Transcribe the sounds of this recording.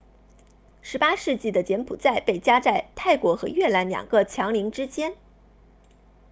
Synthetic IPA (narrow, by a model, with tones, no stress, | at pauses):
ʂɻ̩˧˥pa˥ʂɻ̩˥˧t͡ɕi˥˩d̪ə˩t͡ɕjɛ˧˥npʰṵ˨˩t͡sa˥˧ɪpe˥˩ɪt͡ɕja˥t͡sa˥˩ɪt̪ʰa˥˩ɪkwɔ˧˥xɤ˧˥ɥɛ˥˩la˧˥nljɑ̰˨˩ŋɡ̥ə˧t͡ɕʰjɑ˧˥ŋli˧˥ŋʈ͡ʂɻ̩˥t͡ɕjɛ˥n